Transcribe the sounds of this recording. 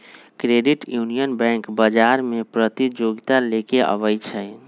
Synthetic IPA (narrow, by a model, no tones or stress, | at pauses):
kɾeɖiʈjunijənbɛ̃ŋkbəd͡ʒaɾmepɾət̪id͡ʒoɡt̪alekeʔə̰bəjt͡ʃʰə